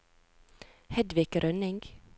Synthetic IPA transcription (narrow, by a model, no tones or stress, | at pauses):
hɛd̪ʋɪːkɾʔœnɪŋɡ